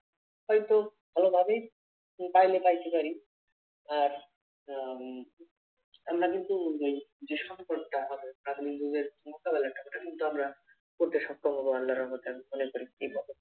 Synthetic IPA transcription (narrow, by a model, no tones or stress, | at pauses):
hɔjt̪obʱalobʱabej | pajlepajt̪epaɾi | aɾ | amɾakint̪uejd͡ʑeʃɔŋpɔʈʈaɦɔbeɾaɡ̪mikd̪uɡeɾmokabelaʈapɔʈʰakint̪uamɾa | koɾt̪eʃɔkɾobʱɔboalːaɾɔmot̪eamimonekoɾiebʱɔbe